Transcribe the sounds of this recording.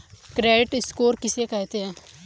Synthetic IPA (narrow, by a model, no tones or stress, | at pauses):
kɾeːɖɪʈɪskoːɾkɪsekɛɦt̪eɦɛ̃ː